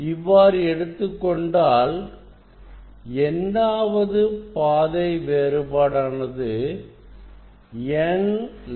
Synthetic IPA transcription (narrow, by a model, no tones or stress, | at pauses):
ɪʋːaːɾɯɛɽɯt̪ːɯkːɔɳɖaːl | ɛndaːʋɐðɯpaːðɐɪʋeːɾɯbaːɽaːnɐðɯ | ɛn